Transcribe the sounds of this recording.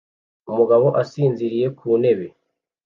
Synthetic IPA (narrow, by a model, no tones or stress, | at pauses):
umuɡaβo̞ʔasiːnziɾije̞kʰuːne̞βe̞